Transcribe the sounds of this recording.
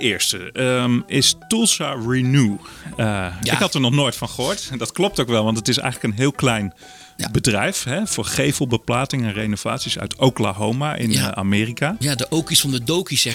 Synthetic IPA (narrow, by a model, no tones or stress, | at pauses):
ɪːɹstəmɪstulˠsaɹinu | ɪ̰kɦɑtəɹnɔχnojtfɑnχəɦʊːɹtdɑtklɔp̚towkʋɛlˠʋɑntətɪsɛ̰jχələkənɦɪːlˠklɛjn | bədrɛjfɦɛfʊːɹχejvəlˠbəplaːtɪŋɛnrejnov̥a̰ːtsisœ̰ɥtowkla̰ɦowmaʔɪ̰na̰ːmɪːrikaːjadəʔowkisfɑndədowkisɛ